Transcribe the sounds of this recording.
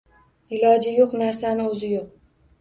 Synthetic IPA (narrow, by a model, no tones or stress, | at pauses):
ɪlɒd͡ʒɪjoqnaɾsanɪɵzɪjoq̚